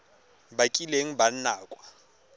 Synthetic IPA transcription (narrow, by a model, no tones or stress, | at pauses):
bakʼileŋ̩ban̩naːkʼwa